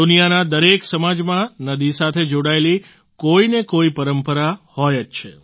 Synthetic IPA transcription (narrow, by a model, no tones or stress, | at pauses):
unijanad̪əɾeksəmad͡ʒmãnəd̪isat̪ʰed͡ʒoɽaeli | koinekoipəɾəmpəɾahɔjətt͡ʃʰe